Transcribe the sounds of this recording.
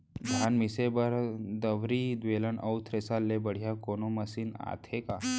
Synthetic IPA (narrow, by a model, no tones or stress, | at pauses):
d̪ʱanmisebəɾd̪əʋɾid̪ʋelənʔəwt̪ʰɾesalːebəɽ̤jakonoməsiːna̰t̪ʰeka